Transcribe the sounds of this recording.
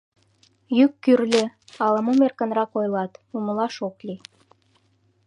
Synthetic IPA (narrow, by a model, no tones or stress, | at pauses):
jykːyrlʲeɑləmomerkə̆nrɑkojlɑt̪uməlɑʃokli